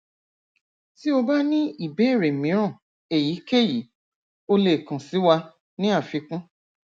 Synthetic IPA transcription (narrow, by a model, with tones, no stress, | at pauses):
ti˦o˧ba˦nĩ˦i˦˨be˨˦e˦˨ɾe˨mĩ˨˦ɾ̃ã˦˨ | e˨ji˨˦ke˦˨ji˨˦ | o˧le˦˨kã˨si˨˦wa˧ | nĩ˦a˦˨fi˧kũ˦